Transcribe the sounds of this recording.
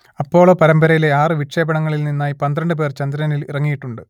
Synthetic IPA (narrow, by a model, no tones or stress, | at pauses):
ɐpːo̞ːɭoːpɐɾɐmbɐɾɐjile̞aːrɨʋiʈʂe̞ːbɐɳɐŋːɐɭilninːaːjipɐnd̪ɾɐɳɖɨp̬eːrt͡ɕɐnd̪ɾɐnilḭrɐŋːijiʈːuɳɖɨ